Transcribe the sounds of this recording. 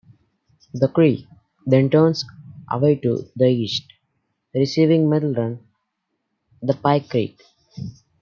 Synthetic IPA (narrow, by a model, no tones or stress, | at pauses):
d̪əkɾiː | d̪ẽɳʈõːnsʔə̰ʋeɪʈṵd̪əiːsʈ | ɾɪsiːʋɪ̃ŋmɛdl̩ɾʌ̃n | d̪əpaɪkːɾḛːʈ